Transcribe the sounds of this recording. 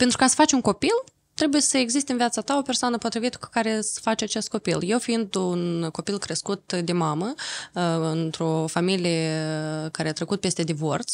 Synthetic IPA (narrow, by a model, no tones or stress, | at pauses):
pent̪ɾukasə̥fat͡ʃʲuŋko̞pil | t̪ɾe̞bujesəeɡzis̬t̪eɨnvijat̪sat̪ao̞pe̞rsoanəpo̞t̪ɾivit̪ə̥ku̥kaɾe̞sfat͡ʃʲat͡ʃest̪ko̞pilje̞wfiind̪unko̞pilkɾəskut̪d̪e̞mamə | ɨnt̪ɾo̞familijekaɾeat̪ɾekut̪̚pe̞st̪e̞d̪ivo̞rt̪s